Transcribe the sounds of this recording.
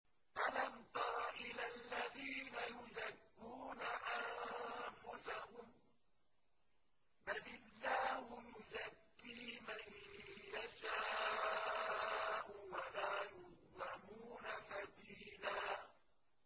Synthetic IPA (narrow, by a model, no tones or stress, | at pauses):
ʔalant̪ɑɾˤɑʔɪlalːaðiːnajʊzakːuːnaʔanfʊsahʊm | balɪlːaːhʊjʊzakːiːmanjaʃaː | ʔuwalaːjʊdðˤɑmuːnafad̪iːlaː